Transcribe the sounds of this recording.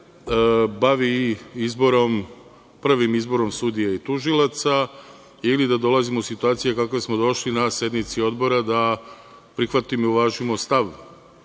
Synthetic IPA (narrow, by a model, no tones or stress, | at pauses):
baʋiizbo̞ɾo̞m | pr̩ʋimizbo̞ɾo̞msud̪ijait̪uʒilˠat̪sa | ilid̪ad̪o̞lˠazimousit̪uaːt̪sijekakʋe̞smo̞d̪o̞ʃlinasje̞d̪mit̪sio̞d̪bo̞ɾad̪a | pɾixʋat̪imouʋaːʒimo̞st̪aʋ